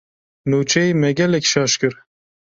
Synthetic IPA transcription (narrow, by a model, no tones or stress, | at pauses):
nut͡ʃʰɛimɛɡʲɛlɛkʲʃɑːʃkɨɾ